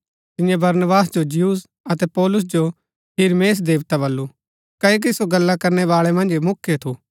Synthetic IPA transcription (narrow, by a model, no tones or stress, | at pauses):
t̪ɪ̃jãbɐɾnəbaːsd͡ʒod͡ʒɪjuːs | ɐt̪ɛpɔːlʊs̬d͡ʒo | hɪɾmeːs̬d̪eːʋt̪abɐlːu | kɐok̬isoɡɐlːakɐɾnɛʋaːɭɛmɐ̃nd͡ʒemʊkʰːjet̪ʰuː